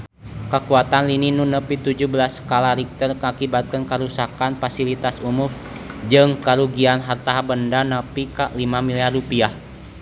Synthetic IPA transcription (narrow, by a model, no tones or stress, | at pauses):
kəkuat̪anlininunəpit̪ud͡ʒuhbəlasə̥kalaɾik̚t̪ərkəakibat̪̚kənkəɾusakanfasilit̪asumʊr | d͡ʒɨŋkəɾuɡianɦart̪aɦabəndanəpikaʔlimamiliarupiah